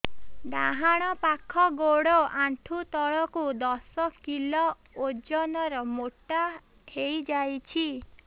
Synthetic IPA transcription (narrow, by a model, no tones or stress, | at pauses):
ɖ̪aɦaɽ̃ɔpakʰɔɡoɽɔʔaɳʈʰut̪ɔɭɔkud̪ɔsɔkilɔ | od͡ʒɔnɔɾɔmoʈa | ʈʰejd͡ʒajt͡ʃʰi